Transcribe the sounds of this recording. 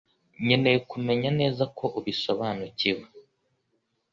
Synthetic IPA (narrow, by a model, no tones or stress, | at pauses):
ɲe̞ne̞jekume̞ɲane̞ːzakʰo̞ʔuβiso̞βaːnuciwe